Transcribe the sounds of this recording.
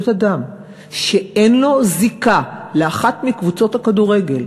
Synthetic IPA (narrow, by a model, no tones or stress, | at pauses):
t̪adam | ʃe̞enlo̞zikaleaχatmikvut͡so̞thakaduʁe̞ɡe̞l